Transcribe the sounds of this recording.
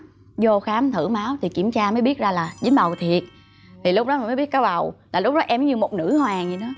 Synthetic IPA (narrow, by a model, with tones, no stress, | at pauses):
zo˧xaː˨˦mt̪ʰɨ̰˧˩maː˨˦wt̪ʰi˨˩ki˧˩əmt͡ɕaː˧məː˨˦jɓi˦˥ət̚zaː˧laː˨˩zɨ˨˦ŋɓə˨˩wt̪ʰi˨˩ət̚ | t̪ʰi˨˩lʊ˦˥k͡p̚ɗɔ˨˦ma˨˩məː˨˦jɓi˦˥ət̚kaː˨˦wɓa˨˩wlaː˨˩lʊ˥k͡p̚ɗɔ˨˦ʔɛ˧m˦ɲɨ˧mo˨˩t̚nɨ̰˧˩˥hwaː˨˩ɲi˨˩nɔ˨˦